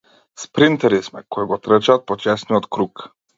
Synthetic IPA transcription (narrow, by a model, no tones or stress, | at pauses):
spɾint̪ɛɾismɛkɔiɡɔt̪ɾət͡ʃat̪̚pɔt͡ʃɛsnijɔt̪kɾuk